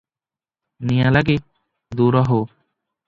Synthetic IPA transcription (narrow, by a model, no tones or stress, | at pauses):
nijãːlaɡiː | d̪uːɾaɦoː